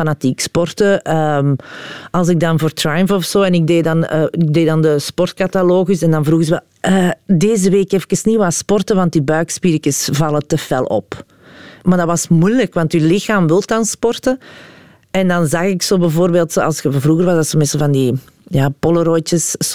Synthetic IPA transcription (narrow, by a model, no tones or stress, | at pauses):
fanatikspɔrtəəmɑlˠsɪɡ̚dɑnvoːrtrajəmfɔfsoːɛnɪɡ̚deːdɑnəɪɡ̚deːdɑndəspɔrt̚kɑtaloːɣysɛndɑnvruːɣəzəʋɛl | əːdeːzəʋeːkɛfkəsniʋaːspɔrtəʋɑnt̚dibœːkspiɾkəsvɑlˠətəfɛlˠɔ̰p | maːrdɑʋɑsmujləkʋɑntylɪxaːmʋɪlˠtɑnspɔrtə | ɛndɑnzɑxɪksoːbəvoːrbeːlˠtsoːɑ̰lˠsxəvruːɣərʋɑzdɑtsomɛsəvɑndi | jaːpɔləɾoːjtəs